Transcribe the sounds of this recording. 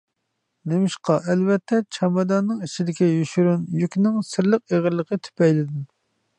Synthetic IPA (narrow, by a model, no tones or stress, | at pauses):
nemɪʃqɑʔɛlvɛt̪ʰːɛt͡ʃʰɑmɑd̪ɑnːɨŋit͡ʃʰid̪ɪkʲɛjyʃyɾunjykʲnɪŋsɪɾlˠəq̚eʁəɾlˠəqʰət̪ʰy̥pɛjlɪd̪ɪ